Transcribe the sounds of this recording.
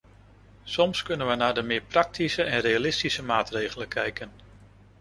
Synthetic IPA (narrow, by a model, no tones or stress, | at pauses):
sɔmskɵnənʋənaːɹdəmɪːɹprɑk̚tʰisəʔɛnrejalɪstisəmaːtrejχələkʰɛjkən